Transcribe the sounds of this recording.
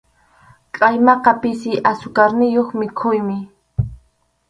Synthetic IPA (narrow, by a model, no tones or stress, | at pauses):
kʼajmɑqɑpɪsɪʔasʊkaɾnɪjoχmɪkʰʊjmɪ